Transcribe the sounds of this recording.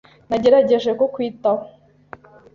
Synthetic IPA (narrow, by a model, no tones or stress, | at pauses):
naɟe̞ɾaɟe̞ʒe̞kokwiːtaho